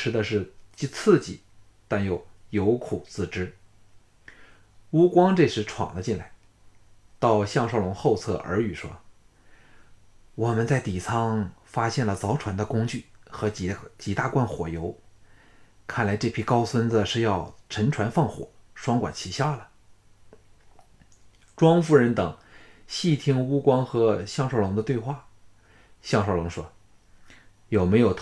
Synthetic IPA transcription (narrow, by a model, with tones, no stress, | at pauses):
ʈ͡ʂʰɻ̩˥d̪ə˧ʂɻ̩˥˩t͡ɕi˥˧t͡sʰɹ̩˥˩t͡ɕḭ˨˩˦ | t̪a˥˩njo˧˩ʊjo˧˥ʊkʰu˨˩˦t͡sɹ̩˥˩ʈ͡ʂɻ̩˥ | u˥kwɑ˥ŋʈ͡ʂɤ˥˧ʂɻ̩˧˥ʈ͡ʂʰwɑ̰˨˩ŋd̪ə˦t͡ɕi˥˩nla˧˩ɪ | t̪ɑ˥˧ʊɕjɑ˥˧ŋʂɑ˥˩ʊlʊ˧˥ŋxo˥˧ʊt͡sʰɤ̰˥˩ʔə̰˞˧˥y˨˩ʂwɔ̰˥ | wɔ˨˩mə˦nt͡sa˥˩ɪt̪i˨˩t͡sʰɑ˥ŋfa˥ɕjɛ˥˩nlə˩t͡sɑ˧˥ʊʈ͡ʂʰwa˧˥nd̪ə˧kʊ˥ŋt͡ɕy˥˩xɤ˧˥t͡ɕt͡ɕi˧˥t̪a˥˧kwa˥˩nxwɔ˨˩jo˧˥ʊ | kʰa˥˩nla˧˥ɪʈ͡ʂɤ˥˩pʰi˧˥kɑ˥ʊswə˥nd͡zə˨ʂɻ̩˥˧jɑ˥˩ʊʈ͡ʂʰə˧˥nʈ͡ʂʰwa˧˥nfɑ˥˩ŋxwɔ̰˨˩˦ʂwɑ˥ŋkwa˨˩nt͡ɕʰi˧˥ɕjɑ˥ʊlə˨ | ʈ͡ʂwɑ˥ŋfu˥˩ɻə˧˥nt̪ɤ˨˩˦ŋɕi˥˩t̪ʰi˥ŋu˥kwɑ˥ŋxɤ˧˥ɕjɑ˥˧ŋʂo˥˩ʊlʊ˧˥ŋd̪ə˧t̪we˥˧ɪxwa˥˩ | ɕjɑ˥˧ŋʂo˥˩ʊlʊ˧˥ŋʂwɔ˥ | jo˨˩ʊme˧˥ɪjo˨˩ʊt̪ʰ